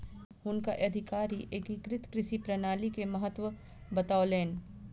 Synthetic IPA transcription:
ɦʊnka̰ʔɐd̪ʱɪkaːɾiʔekɪkɾɪt̪kɾɪʃipɾɐnaːlikemɐɦət̪ːwə | bɐt̪aːʊleːn

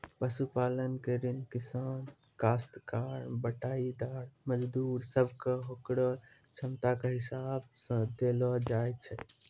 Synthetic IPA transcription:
pəsupalənkeɾinkisan | kast̪kaɾbəʈaid̪aɾməd͡ʒd̪uɾsəbʱkeɦokɽɔ | t͡ʃʰəmt̪akeɦisab̚sə̃d̪elɔd͡ʒajt͡ʃʰɛ̰

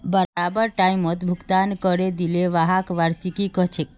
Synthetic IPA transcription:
bəɾabəɾʈaimət̪bʱukt̪ankəɾed̪ileʋaɦakʋaɾsikikəɦt͡ʃʰek

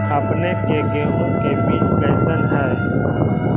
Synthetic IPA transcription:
ɐpnekekeːɦõkebiːt͡ʃpɛːsənɦɐɾ

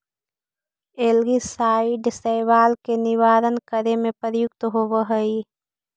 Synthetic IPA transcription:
elɡisaːiɖɪsəjʋaːlkenɪʋaːɾənkəɾemẽpəɾjʊk̚t̪ɦowəɦəi

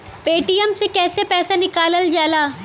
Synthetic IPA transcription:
peːʈijəmsekɛːsepɛːsanɪkaːləld͡ʒaːlaː

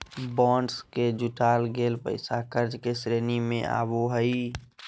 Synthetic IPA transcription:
bɔ̃ːɳɖsked͡ʒʊʈaːlɡeːlpə̰ɪsakəɾd͡ʒkesɾeːnimẽa̰ːboɦəi

